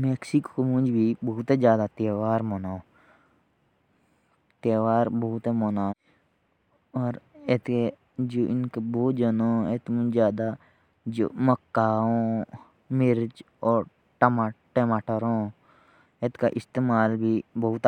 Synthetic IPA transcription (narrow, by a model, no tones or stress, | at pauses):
meːksikːkomʊ̃nd͡ʒbʱibɐɦʊt̪ed͡ʒjaːd̪at̪eːʋaːɾmoːnaːo | t̪eːʋaːɾbɐɦʊt̪emoːnaː | ɔːɾet̪ke | d͡ʒoːʔɪnkeboːt̪d͡ʒənoet̪mʊ̃d͡ʒzjaːd̪a | d͡ʒo̰ːməkːaːõ | mɪɾd͡ʒ | ɔːɾ | ʈəmaʈemaːʈəɾõː | et̪ka̰ʔɪst̪eːmaːlbʱibəɦʊt̪